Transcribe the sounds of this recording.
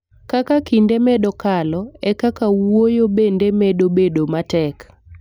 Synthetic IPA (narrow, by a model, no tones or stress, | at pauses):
kakakindemɛɗɔkalɔɛkakawojobendemedobedomatɛk